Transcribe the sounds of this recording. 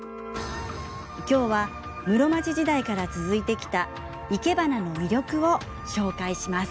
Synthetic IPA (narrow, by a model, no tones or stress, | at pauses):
kʲo̞ːβa | mɯ̟ɾo̞mat͡ɕiʑid̪aikaɾat͡sɨzɨit̪e̞kʲi̥t̪a | ike̞banano̞mʲiɾʲo̞kɯ̟o̞ | ɕo̞ːkaiɕimasɨ̥